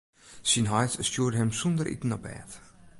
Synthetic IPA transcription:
sinɦɑjtscuːdəhɛmsund̪əɾʔḭt̪ən̩ɔbɛ̰ːt̪

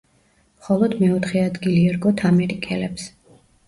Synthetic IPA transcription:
mχɔlˠɔd̪mɛɔt̪ʰχɛad̪ɡiliɛɾɡɔt̪ʰamɛɾikʼɛlɛps

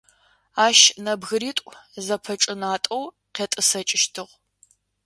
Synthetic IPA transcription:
aːʃnɐbɣɨɾiːtʷʼzɐpʰɐt͡ʃʼɨnaːtʼɐw | qʲeːtʼɨsɐt͡ʃʼɪʃtʰɨʁʷ

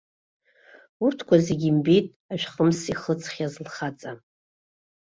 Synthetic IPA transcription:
urtʰkʷʰazeɡʲimbejtʼ | aʃᶣχʼəmsiχət͡sʰχʲazlχat͡sʼa

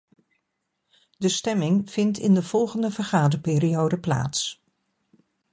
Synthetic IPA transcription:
dəstɛmɪŋv̥ɪntɪ̰ndəv̥ɔlˠχəndəvəɹχaːdəɹpɪːriowdəpla̰ːts

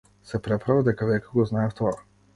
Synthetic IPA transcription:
sɛpɾɛpɾavad̪ɛkavɛkaɡɔznaɛft̪ɔa

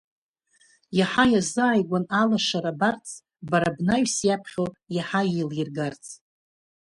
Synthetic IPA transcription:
jaħajazɨːjɡʷanalaʂaɾabart͡sʰʼ | baɾabnaɥsjapʰχʲowjaħajilirɡart͡sʰʼ

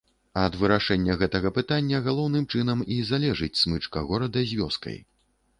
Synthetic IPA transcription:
ɐd̪vɨɾaʂɛnʲːɐɣɛt̪ɐɣɐpɨt̪anʲːɐɣalˠɔwn̪ɨmt͡ʂɨn̪ɐmizalʲɛʐɨt͡sʲsmɨt͡ʂkɐɣɔɾɐd̪ɐzʲvʲɔ̰skɐ̰j

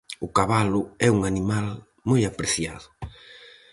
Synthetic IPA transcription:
ʊkaβalʊɛuŋanimal | mojapɾeθjaðʊ

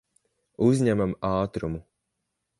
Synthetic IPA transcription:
uzʲɲæmamɑːt̪ɾumu

